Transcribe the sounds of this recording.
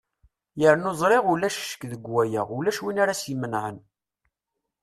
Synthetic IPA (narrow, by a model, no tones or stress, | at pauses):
jəɾnozˤɾeʁʊlæʃʃə̥kðəɡwæjə̰ʁʊlːæʃwinaɾasjmənʕən